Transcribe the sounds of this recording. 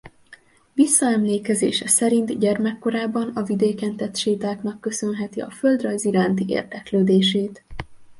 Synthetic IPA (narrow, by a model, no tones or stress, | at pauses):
ʋisːɒɛmleːkɛzeːʃɛsɛɾint̪ɟɛrmɛkːo̞ɾaːbɒnɒvid̪eːkɛnt̪ɛt̪ʃeːt̪aːknɒkːø̞sø̞nɦɛt̪iɒfø̞ld̪rɒjziɾaːnt̪iʔḛːrd̪ɛkløːd̪eːʃeːt̪